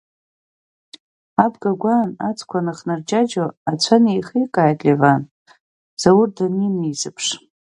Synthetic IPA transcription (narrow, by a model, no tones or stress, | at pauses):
abɡaɡʷanat͡sʰʼkʷʰanaχnard͡ʒad͡ʒoat͡sʷʰanejχikʼajtʼlivan | z̥awʊrdanimizɨpʰʂ